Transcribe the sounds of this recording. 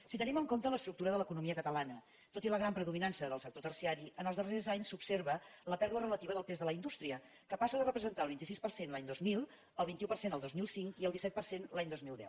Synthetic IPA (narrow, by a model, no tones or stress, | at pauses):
sit̪əniməŋkomt̪ələst̪ɾuk̚t̪uɾəðələkunumiəkət̪əlanə | t̪ot̪iləɣɾampɾəðuminansəðəlˠsək̚t̪ot̪ərsiaɾiənəlzðərezaɲsupseɾβələpɛɾðuərələt̪iβəðəlˠpezðələind̪ust̪ɾiə | kəpasəðərəpɾəzənt̪alˠβint̪isispərsenlaɲd̪ozmilˠ | əlˠβint̪iupərsenəlˠd̪ozmilˠsiŋkiəlˠd̪isɛt̪pərsenlaɲd̪ozmilˠd̪ɛ̰w